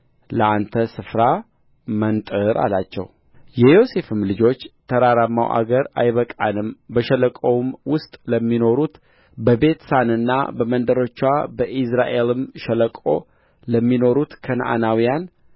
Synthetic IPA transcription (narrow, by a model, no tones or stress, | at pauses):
ləant̪ʰəsɨfɾa | mənt̪ʼɨɾʔa̰lat͡ʃːɛ̰w | jɛjo̞se̞fɨmlɨd͡ʒo̞t͡ʃːt̪ʰəɾaɾamːa̰wʔa̰ɡəɾa̰jβəkʼanɨmbəʃələkʼəwmwʊst̪ʼləmːino̞ɾut̪ | bəbe̞t̪sanɨnːa̰bəmənd̪əɾo̞t͡ʃːwabəʔisɾaʔe̞lɨmʃɛləkʼo̰ | ləmːino̞ɾut̪kʰənʔa̰nawijan